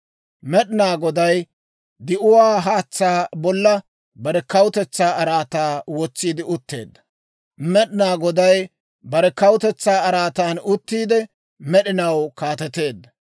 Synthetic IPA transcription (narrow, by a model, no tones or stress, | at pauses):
mɛɗɪnaːɡɔd̪ɐj | d̪ɪʔʊwaːɦaːt͡sːaːbɔlːɐ | bɐɾɛkɐwʊt̪ɛt͡sːaːɐɾaːt̪aːwɔt͡sːiːd̪ɪʊt̪ːe̞̰ːd̪ːɐ̥ | mɛɗɪnaːɡɔd̪ɐj | bɐɾɛkɐwʊt̪ɛt͡sːaːɐɾaːt̪aːnʊt̪ːiːd̪ɛ | mɛɗɪnɐwkaːt̪ɛt̪e̞ːd̪ːɐ